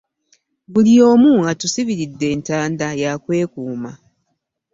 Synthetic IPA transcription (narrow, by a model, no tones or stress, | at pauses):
βulio̞ːmuːŋɡatusiβiɾidːe̞ːntaːndajakwe̞ːkuːma